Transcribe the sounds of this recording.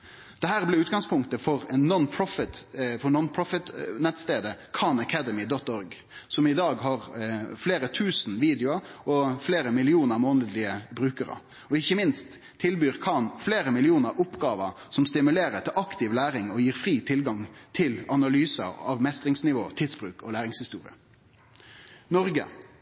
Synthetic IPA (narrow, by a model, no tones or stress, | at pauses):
d̪̥ɛɦæːɾblɪʉːt̪ɡɑŋspʰʊŋkt̪əfɔɾɛnːɔnpʰɾɔfɪt̪fɔnɔnpʰɹɔfət̪nɛt̪st̪eːd̪əkʰɑnɑkʰæd̪əmɪd̪ɔt̪ːɔɾɡ | sɔmɪd̪ɑːɡɦɑɾfleːɾət̪ʰʉːsn̩ʋiːd̪jʊɑɔfleːɾəmɪlɪuːnəɾmoːnəd̪lɪəbɾʉːkəɾə̰ | ɔɪçːəmɪnst̪ʰː | ɪlbyːɾkʰɑnfleːɾəmɪlɪuːnəɾʔʊpɡɑːʋə | sɔmst̪ɪmʉleːɾət̪ʰɪlɑkt̪ɪʋlæːɾɪŋɔjiːɾfɾiːt̪ʰɪlɡɑŋt̪ʰɪlɑnɑlyːsə̰ɑ̰ʋmɛst̪ʁɪŋsnɪʋo̰ːt̪ʰɪd̪sb̥ɾʉːkɔlæːɾɪŋshɪst̪ṵːɾɪ̰ə | nɔɾɡə̰